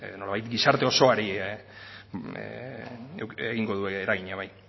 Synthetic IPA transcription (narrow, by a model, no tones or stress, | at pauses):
no̞laβajt̪ɡisaɾt̪e̞o̞so̞aɾi | ḛeɣiŋɡo̞ðueːɾaɣiɲaβaj